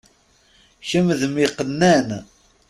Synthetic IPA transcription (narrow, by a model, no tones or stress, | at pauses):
çəmðəmiqːənːæn